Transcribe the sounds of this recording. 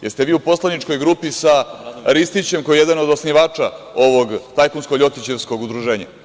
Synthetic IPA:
jest̪e̞ʋiːupo̞slˠanit͡ʃko̞jɡɾuːpisaɾist̪it͡ɕe̞mkojeje̞d̪ano̞d̪osniʋaːt͡ʂa | o̞ʋoɡt̪ajkunskoʎo̞t̪it͡ɕeʋsko̞ɡud̪ɾuʒe̞ːɲa̰

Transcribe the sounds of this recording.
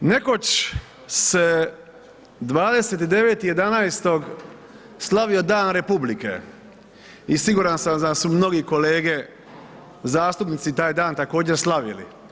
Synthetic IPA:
ne̞ko̞t͡ɕ | se | d̪ʋaːd̪e̞set̪id̪e̞ʋeːt̪ije̞d̪anaːjst̪o̞ɡ | slaʋio̞d̪aːnɾe̞publikḛ | isiɡuːɾansamd̪asumno̞ɡiko̞leːɡe̞ | zaːst̪upnit̪sit̪aːjd̪aːnt̪akoːd͡ʑe̞ɾslˠaʋḭlḭ

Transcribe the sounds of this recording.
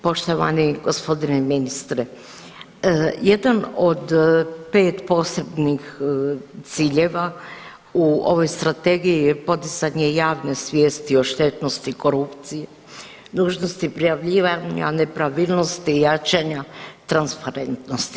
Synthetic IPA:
po̞ʃt̪o̞ʋa̰niɡo̞spo̞d̪ineminist̪ɾe | jed̪ano̞d̪pe̞ːt̪po̞ːsebnix | t̪siːʎe̞ʋa | uo̞̰ʋo̞jst̪ɾat̪e̞ɡijijepo̞d̪izaɲejaːʋne̞sʋʲjeːst̪io̞ʃt̪e̞t̪no̞st̪iko̞ɾupt̪sije | nuːʒno̞st̪ipɾijaʋʎiːʋaɲa̰ne̞pɾaʋilˠno̞st̪ijat͡ʃaɲat̪ɾanspaɾent̪nost̪i̥

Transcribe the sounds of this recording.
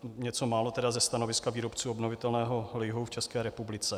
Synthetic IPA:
ɲɛt͡so̞maːlo̞t̪ɛdazɛst̪ano̞vɪskaviːɾopt͡suːobnovɪt̪ɛlnɛːɦo̞lɛjɦowft͡ʃɛskɛːɾɛpublɪt͡sɛ

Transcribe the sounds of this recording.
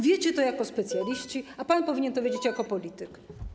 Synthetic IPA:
vʲjɛt͡ɕɛt̪ɔjakɔspɛt̪sʲjalʲiɕt͡ɕiapanpɔvʲiɲɛnt̪ɔvʲed͡ʑet͡ɕjakɔpɔlʲit̪ɘk

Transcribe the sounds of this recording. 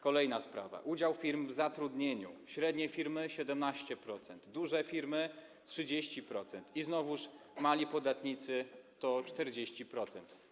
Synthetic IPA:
kɔlɛjnaspɾa̰va̰ʔud͡ʑawfʲiɾmvzat̪ɾud̪ɲeɲṵɕɾɛd̪ɲɛfʲiɾmɘɕɛd̪ɛmnaɕt͡ɕɛpɾɔt̪sɛnd̪d̪uʐɛfʲiɾmɘ | tʂɘd͡ʑeɕt͡ɕipɾɔt̪sɛnt̪iznɔvuʂmalʲipɔd̪at̪ɲit̪sɘt̪ɔt͡ʂt̪ɛɾd͡ʑeɕt͡ɕipɾɔt̪sɛnt̪

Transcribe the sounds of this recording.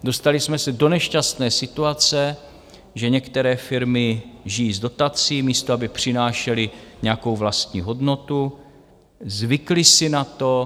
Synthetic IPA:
do̞st̪alɪsmɛsɛdo̞nɛʃcast̪nɛːsɪt̪uat͡sɛ | ʒɛɲɛkt̪ɛɾɛːfɪɾmɪʒɪjiːzdo̞t̪at͡siːmiːst̪oabɪpr̝̥ɪnaːʃɛlɪɲɛako̞wvlast̪ɲiːɦo̞dno̞t̪u | zvɪklɪsɪnat̪o

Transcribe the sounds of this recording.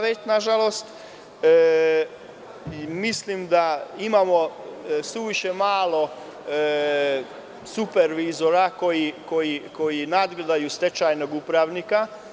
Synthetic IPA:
ʋet͡ɕnaʒalo̞st̪ː | mislimd̪aimamosuʋiʃemaːlˠo̞ | supeɾʋizoɾako̞jiko̞jiko̞jinad̪ɡled̪ajust̪e̞t͡ʃajnoɡupɾaʋnika

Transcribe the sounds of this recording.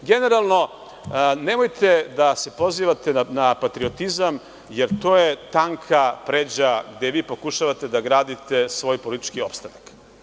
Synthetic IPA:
ɡe̞ne̞ɾalˠno̞ | ne̞mo̞jt̪ʰe̞d̪ase̞po̞ziːʋat̪e̞napat̪ɾiot̪izam | je̞ɾt̪o̞ːje̞t̪aŋkʰapɾeːd͡ʑaɡd̪eʋiːpo̞kuʃaʋat̪e̞d̪aɡɾaːd̪it̪e̞sʋo̞ːjpolit̪i̥t͡ʃkio̞pst̪anak

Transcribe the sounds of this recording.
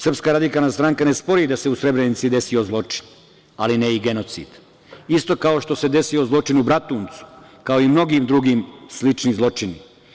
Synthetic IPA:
srpskaːɾad̪ikaːlnaːst̪ɾaŋkanespo̞ɾiːd̪aseusɾe̞bɾenit̪sid̪e̞sio̞zlˠo̞t͡ʃi̥n | alineiɡe̞no̞t̪sḭːd̪̥ | ist̪o̞kao̞ʃt̪o̞se̞d̪e̞siozlˠo̞t͡ʃinubɾat̪uːnt̪su̥ | kaoimno̞ɡimd̪ɾuɡiːmslit͡ʃnizlˠo̞t͡ʃini

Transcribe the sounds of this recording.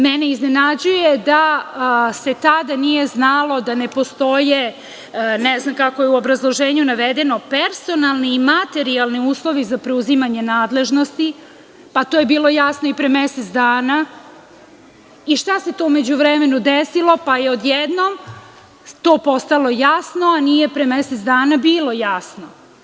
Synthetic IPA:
mɛne̞iznenad͡ʑujed̪a | se̞t̪ad̪anije̞znalˠo̞d̪anepo̞st̪o̞je | nɛznamkakojeuobɾazlˠo̞ʒeːɲunaʋed̪e̞no̞peɾso̞nalˠniːmat̪e̞ɾialˠniuːslˠo̞ʋizapɾeuzimaɲe̞naːd̪le̞ʒno̞st̪i | pat̪oje̞biːlˠo̞jasnoipɾemeset̪d̪aːna | iʃt̪ase̞t̪o̞ume̞d͡ʑuʋɾeme̞nud̪esilo̞pajeod̪jɛd̪nom | t̪o̞ːpo̞st̪alˠo̞jasno̞anije̞pɾemeset̪sd̪aːnabiːlo̞jasno

